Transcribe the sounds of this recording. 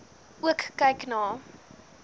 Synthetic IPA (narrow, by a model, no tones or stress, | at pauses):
uəkːɐjknɑː